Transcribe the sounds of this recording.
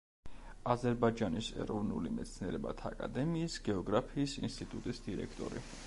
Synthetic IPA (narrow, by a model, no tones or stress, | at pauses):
azɛɾbad͡ʒanisɛ̰ɾɔvnṵlimɛt̪sʰniɛɾɛba̰t̪ʰaakʼa̰d̪ɛmiːsɡɛɔɡɾapʰiːsḭnst̪ʼit̪ʼut̪ʼisd̪iɾɛ̰kʰt̪ʼɔ̰ɾḭ